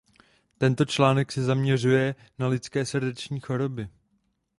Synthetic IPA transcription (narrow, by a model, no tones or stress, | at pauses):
t̪ɛnt̪o̞t͡ʃlaːnɛksɛzamɲɛr̝ujɛ | nalɪt͡skɛːsrdɛt͡ʃɲiːxo̞ɾo̞bɪ